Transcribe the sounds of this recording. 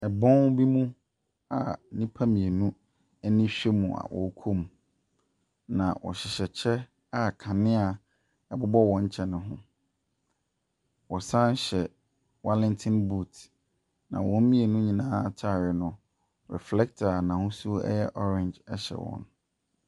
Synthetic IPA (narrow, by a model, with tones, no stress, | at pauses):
ɛ˨bɔ̃˦nbi˦mũ˦ | a˨nĩ˦pʰa˦mĩ˨e˨nũ˦ | ɛ˦nɪ̃˦ɕᶣe˦mũ˨a̰˨wɔ̰˨˦kʰo˦m˨ | nã̰˨wʔɔ̰˨ɕɪ˨ɕɛ˨t͡ɕʰɛ˦ | a˦kʰã˨nɪ̃˦a˨ | ɛ˨bʊ˦bɔ˦wɔ̃˨˦ɲ̩˦t͡ɕʰɛ˦nʊ̃˨ɦʊ̰̃˦ | wɔ˨sa˦n˦ɕɛ˨ | wa˦lɪ̃˦ntʰɪ̃˦nbu˦˨t | nã̰˨wɔ̃˨m̩˦mĩ˦e˨nũ˦ɲĩ˨nãː˦tʰa˨ɾɪ˨nʊ̃˨ | ɾɛ̰˨flɛ˦k̚tʰa˨nã˨hʊ̃˦su˦ɛ̰˦jɛ˦ʔɔ˦ɾɪ̃˨nd͡ʑɛ˦ɕɛ̰˨wɔ̰̃˨n